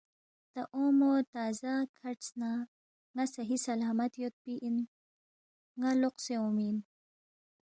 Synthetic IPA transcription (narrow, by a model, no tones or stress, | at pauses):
t̪aʔomot̪aːzakʰaɾʈsna | ŋasɐɦisɐlaːmɐt̪jot̪̚piʔin | ŋaloqseomin